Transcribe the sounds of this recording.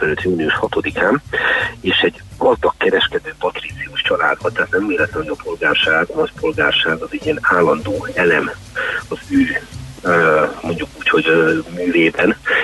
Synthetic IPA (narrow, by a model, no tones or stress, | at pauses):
ɛlylt̪juːniuʃhɒt̪o̞d̪ikaːmeːʃɛɟ | ɒzd̪ɒkːɛɾɛʃkɛd̪øːpɒt̪rit̪siuʃt͡ʃɒla̰ːd̪bɒt̪ːɛɦaːt̪nɛmːeːlɛt̪lɛmod̪ɒpʰo̞lɡaːrʃaːɡnɒcpo̞lɡaːrʃaːɡɒzɛɟɛnaːlːɒnd̪oːɛlɛm | ɒzøː | mo̞ɲɟukuːcho̞ɟmyːveːbɛn